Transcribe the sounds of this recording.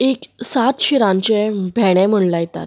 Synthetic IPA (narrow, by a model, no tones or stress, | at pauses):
eksat̪ɕiɾãɲt͡ɕebʱɛɽ̃ɛ̃m̤əɳlajt̪a̰t̪